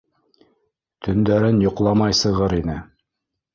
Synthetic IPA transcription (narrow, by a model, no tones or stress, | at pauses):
t̪ʰɵ̆nd̪æɾɘnjŏqlˠɑmɑjsɤ̆ʁɤɾinɘ